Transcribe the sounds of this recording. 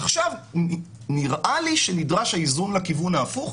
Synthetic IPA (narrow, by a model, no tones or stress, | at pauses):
aχʃav | niʁʔaliʃenidʁaʃhaizunlakivunaːfuχ